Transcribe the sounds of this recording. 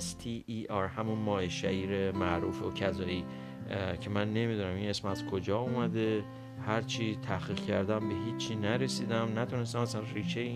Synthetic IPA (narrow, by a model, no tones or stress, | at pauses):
st̪ʰiʔiʔɒɾhæmunmɒːheʃæʔiːɾe̞mæʔɾuːfocʰæzɒːiː | cʰe̞mænːe̞miːd̪unæmine̞smæz̥kʰo̞d͡ʒɒːumæd̪e | hæɾt͡ʃʰiːt̪ʰæχiːʁcʰæɾd̪æmbe̞ɦiːt͡ʃʰːiːnæɾe̞siːd̪æmnæt̪ʰune̞s̬t̪æmæsænriːʃeje